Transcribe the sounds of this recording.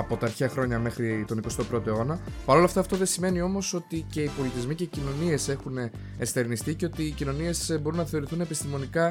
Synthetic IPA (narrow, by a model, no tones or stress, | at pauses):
ɐpo̞t̪ɐːɾçeɐxɾo̞ɲɐme̞xɾit̪o̞niko̞st̪o̞pɾo̞t̪oeo̞nɐpɐɾo̞lɐft̪ɐːft̪o̞ðe̞sime̞nio̞mo̞so̞t̪ice̞ipo̞lit̪izmice̞cino̞nie̞se̞xune | est̪e̞ɾnist̪ice̞o̞t̪iːcino̞nie̞sbo̞ɾunːɐθe̞o̞ɾiθune̞pist̪imo̞nikɐ